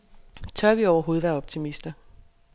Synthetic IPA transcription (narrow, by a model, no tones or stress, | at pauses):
t͡sʰɶɐʋiɒʊɐɦo̝ːð̞̩ˠʋæɐɒ̽b̥̚t͡sʰimisd̥ɐ